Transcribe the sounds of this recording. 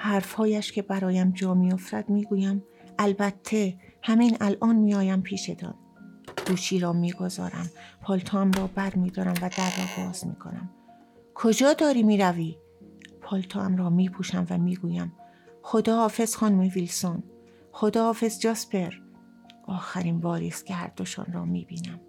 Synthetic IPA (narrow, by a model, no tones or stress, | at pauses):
hæɾfhɒːjæʃcʰe̞bæɾɒːjæmd͡ʒɒːmijofɾæd̪miːɡuːjæm | ʔælbæt̪ʰːe̞hæminælʔɒːnmiːɒːjæmpʰiːʃed̪ʰɒ̰ːn | ɡ̥uːt͡ʃʰiːɾɒːmiːɡo̞zɒ̰ːɾæ̰mpʰɒːlt̪ʰɒæmrɒːbæɾmiːd̪ɒːɾæmvæd̪ærːɒːbɒːzmḭːkʰo̞̰næ̰m | kʰo̞d͡ʒɒːd̪ɒːɾiːmiːɾæviː | pʰɒːlt̪ʰɒːʔæmrɒːmiːpʰuːʃæmvæmiːɡuːjæm | xo̞d̪ɒːɒːfe̞z̥xɒːnumevilson | xo̞d̪ɒːɒːfe̞zd͡ʒɒspe̞ɾ | ʔɒːxæɾiːnbɒːɾḭːst̪̚cʰehæ̰ɾd̪̥o̞ʃɔ̰nɾɒːmiːbiːnæm